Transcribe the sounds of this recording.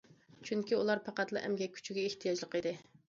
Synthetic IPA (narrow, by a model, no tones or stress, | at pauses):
t͡ʃʰyŋkʲiulˠɑɾpʰɑqɑt̪lˠɨ̰ʔɛ̰mɡʲɛkʲʰy̥t͡ʃʰyɡʲɛeht̪ʰijɑd͡ʒlˠəqid̪ɪ